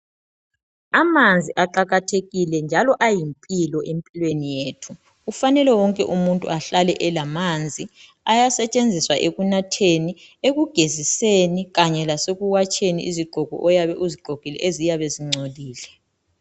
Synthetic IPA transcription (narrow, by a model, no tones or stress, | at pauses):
amand͡zʱiʔaǃaɣatʰeɣilɛnd͡ʒʱalɔʔajimpʼilɔʔempʼilwenijeːtʰu | ufanɛlɛwɔŋkʼɛ̰ʔumuntʼṵaɬalɛʔɛlamand͡zʱi | ajasɛt͡ʃʼend͡zʱiswaʔeɣunatʰeni | eɣuɡ̥ʱeziseniɣaɲɛlasoɣuwat͡ʃʰʼenḭʔiziɡ͡ǃʱɔɡʱɔ̰ʔɔjaβɛʔuziɡ͡ǃʱoɡ̥ʱilɛ̰ʔezijaβeziŋ͡ǀʱoliːlɛ